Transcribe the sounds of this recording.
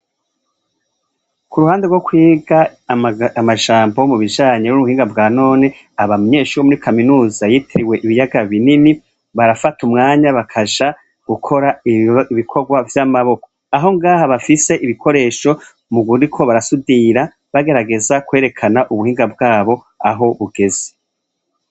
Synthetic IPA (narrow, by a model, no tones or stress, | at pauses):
kuɾuhaːndeɡwo̞kwiːɡa | amaʒaːmbo̞muβiʒaːɲenuuuhiːŋɡabɡaːno̞ːne | aβamɲe̞ːʃuːɾomuɾikʰaminuːzajitʰeɾiwe̞ʔiβijaɡaβinini | βaɾafatumŋaːɲaβakʰaʒa | ɡ̥ukʰo̞ɾaiβikʰo̞ɡwavjamaβo̞ko̞̥ | aɦo̞ŋɡaːhaβafise̞ʔiβikʰo̞ɾe̞ːʃo̞ | muɡuɾikʰo̞βaɾasudiɾa | βaɡe̞ɾaɡe̞zakwe̞ːɾe̞kʰanaʔuβuhiːŋɡabɡaːβo̞ | aɦo̞βuɡ̥e̞ze̥